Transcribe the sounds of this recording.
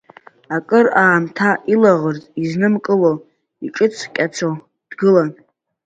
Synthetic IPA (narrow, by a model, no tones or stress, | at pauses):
akʼɨraːmtʰaʔilaʁərtʼiznɨmkʼɨlo | iʈ͡ʂʼɨt͡sʰkʲʼat͡sʰo | d̥ɡɨlan